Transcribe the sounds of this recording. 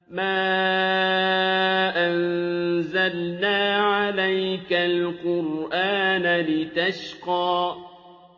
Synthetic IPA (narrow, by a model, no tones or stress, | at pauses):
maː | ʔanzalnaːʕalajkalqʊɾʔaːnalɪt̪aʃqɑː